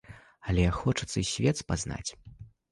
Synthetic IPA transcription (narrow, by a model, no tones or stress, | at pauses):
ɐlʲɛxɔt͡ʂɐt̪sːɐisʲvʲɛt̪spazna̰t͡sʲ